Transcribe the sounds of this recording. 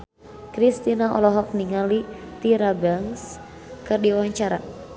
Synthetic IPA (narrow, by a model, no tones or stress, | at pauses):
kɾist̪inaɔ̰lɔɦɔk̚niŋalit̪iɾabaŋs | kɨrdiwaɲt͡ʃaɾa